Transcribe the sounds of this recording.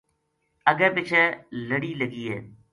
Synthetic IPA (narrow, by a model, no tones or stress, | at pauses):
əɡəpɪt͡ʃʰələɽiːləɡiːḛː